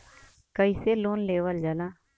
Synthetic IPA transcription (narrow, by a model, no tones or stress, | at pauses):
kəiseːloːnleːʋəld͡ʒalaː